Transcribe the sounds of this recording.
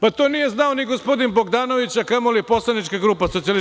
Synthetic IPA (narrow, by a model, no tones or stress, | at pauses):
pat̪o̞nije̞znaoniɡospo̞d̪inbo̞ɡd̪aːno̞ʋit͡ɕakamoliepo̞slˠanit͡ʃkaɡɾuːpasoijal